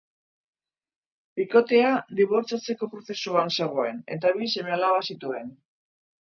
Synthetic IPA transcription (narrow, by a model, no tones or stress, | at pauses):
biko̞t̪e̞ad̪iβo̞ɾt͡sat͡se̞ko̞pɾo̞θe̞suanse̞ɣ̞o̞e̞ne̞̰t̪aβ̞ise̞mealaβasit̪ue̞n